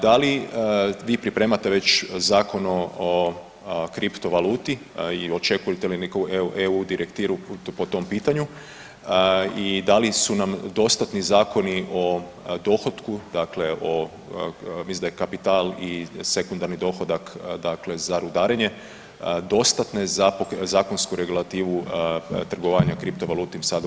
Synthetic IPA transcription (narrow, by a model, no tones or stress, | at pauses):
d̪ali | ʋiːpɾipɾe̞ːmat̪e̞ʋe̞t͡ɕzaːko̞no̞o | kɾipt̪o̞ʋaluːt̪i | io̞t͡ʃe̞kujet̪elinekouʔeʔeud̪iɾʔekt̪iːɾupo̞t̪o̞mpiːt̪aɲu | id̪alisunamd̪o̞st̪at̪nizaːko̞niʔo̞ | d̪o̞xo̞d̪kud̪akle̞ʔo̞ | misind̪ajkapit̪aːlise̞kund̪aɾnid̪o̞ːxo̞d̪akd̪aklezaɾud̪aːɾeɲe̞ | d̪o̞st̪at̪ne̞zapozaːko̞nskuɾe̞ɡulˠat̪iːʋut̪r̩ɡoʋaɲakɾipt̪oʋalˠuːt̪imsad̪